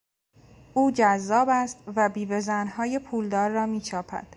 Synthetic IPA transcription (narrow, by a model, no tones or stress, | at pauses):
ʔuːd͡ʒæzːɒːbæst̪væbiːvezænhɒːjepʰuːld̪ɒːɾːɒːmiːt͡ʃʰɒːpʰæ̰d̪̥